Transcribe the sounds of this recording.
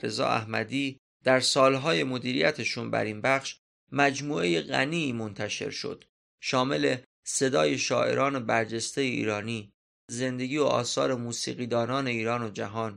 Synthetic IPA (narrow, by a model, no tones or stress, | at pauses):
ɾe̞zɒ̰ːæ̰hmæ̰d̪iː | d̪̥æɾsɒːlɦɒːje̞mo̞d̪iːɾijæt̪ʰeʃuːnbæ̰ɾinbæχʃ | mæd͡ʒmuːʔe̞je̞ɣæ̰niːmo̞nt̪ʰæʃe̞̰ɾʃo̞̰d̪̥ | ʃɒːme̞le̞ | se̞d̪ɒːje̞ʃɒːʔe̞̰ɾʔɒːne̞bæɾd͡ʒest̪e̞jeḭːɾɒːniː | ze̞nd̪e̞ɡiːoʔɒ̰ːsɒ̰ːɾe̞muːsḭːɣiːd̪ɒːnɒːne̞iːɾɒːnod͡ʒæɦɒːn